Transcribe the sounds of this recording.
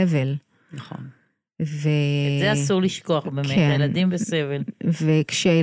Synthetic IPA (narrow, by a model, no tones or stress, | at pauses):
evel | naχo̰n | vezeasuʁliʃko̞aχbekmeejelad̪imbesevelvekʃeaje